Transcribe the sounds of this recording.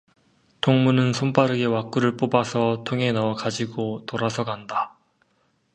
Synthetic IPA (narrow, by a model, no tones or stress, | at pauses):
tʰoŋmunɯnsʰomp͈aɾɯɡe̞wak͈uɾɯɭp͈obasʰʌtʰoŋe̞naʌkad͡ʑiɡotoɾasʰʌɡanda